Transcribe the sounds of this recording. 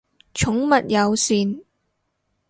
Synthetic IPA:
t͡ʃʰʊ˨˥ŋmɐ˨t̚jɐ˨˧wsyː˨˧n

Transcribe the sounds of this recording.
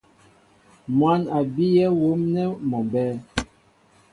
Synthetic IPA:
mwa˨˦na˨bi˦jɛ˦wo˨˦mnɛ˦mɔ˨mbɛː˦

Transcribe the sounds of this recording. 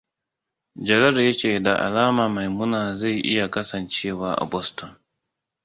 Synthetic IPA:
d͡ʒɐ˨lɐ˦ɾja˦t͡ʃeː˨da˨ʔa̰˨laː˦maː˨ma˨jmʊ˦naː˨za˦˨jʔɪ̰˦ja˨kɐ˦sɐ˨nt͡ʃeː˦waː˦ʔa̰˨bɔ˦stɔ˨n

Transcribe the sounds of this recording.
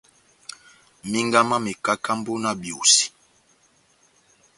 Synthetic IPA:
mi˦ŋɡa˦ma˦mi˨ka˦ka˦mbo˦na˦bjo˨si̥˨

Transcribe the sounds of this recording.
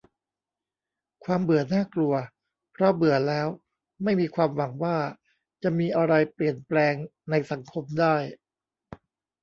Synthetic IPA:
kʰwaː˧mbɯ˨˩˦ɐnaː˥˩klu˧ɐ | pʰɾɔ˦˥bɯ˨˩˦ɐlɛː˦˥w | ma˥˩jmiː˧kʰwaː˧mwa˩˦ŋwaː˥˩ | t͡ɕa˨˩miː˧ʔa˧ɾa˧jpli˨˩ənplɛː˧ŋna˧jsa˩˦ŋkʰo˧mdaː˥˩j

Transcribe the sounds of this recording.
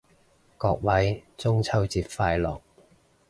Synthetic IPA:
kɔː˧k̚wɐ˨˥jt͡sʊ˥ŋt͡sʰɐ˥wt͡siː˧p̚faː˧jlɔː˨˩k̚

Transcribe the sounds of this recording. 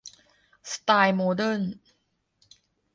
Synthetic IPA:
st̪aː˧jmo˧də˥˨n

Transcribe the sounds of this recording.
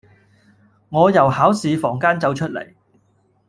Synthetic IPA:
ŋɔː˨˧jɐ˨˩whaː˨˥wsiː˨˧fɔː˨˩ŋkaː˥nt͡sɐ˨˧wt͡ʃʰɵ˥t̚lḛ˨˩j

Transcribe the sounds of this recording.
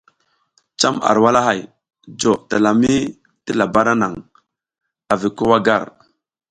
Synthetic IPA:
t͡ʃa˦ma̰˨ɾwa˦la˦ɦa˨j | d͡ʒo˨ta˨la˨mi˦ | ti˦la˨ba˦ɾa˦na˨ŋ | a˨vi˨ko˦wa˦ɡa̰˦˨ɾ

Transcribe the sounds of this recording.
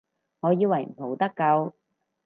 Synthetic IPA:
ŋɔː˨˧jiː˧wɐ˨˩jm̩˨˩p̪ʰo˨˩wt̪ɐ˥kːɐ˧w

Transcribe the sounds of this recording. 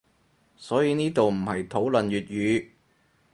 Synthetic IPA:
sɔː˨˥jiː˨˧niː˥t̪o˨wm̩˨˩hɐ˨jt̪ʰo˨˥wlɵ˨nɥyː˨t̚jyː˨˧

